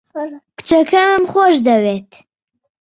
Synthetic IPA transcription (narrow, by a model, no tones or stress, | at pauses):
kɨ̥t͡ʃɐkʰɐmmχoʃd̪ɐwet̪